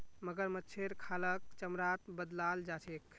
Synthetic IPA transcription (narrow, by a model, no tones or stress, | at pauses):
məɡəɾmətːt͡ʃʰeɾkʰalək̚t͡ʃəmɾat̪bəd̪lald͡ʒat͡ʃʰek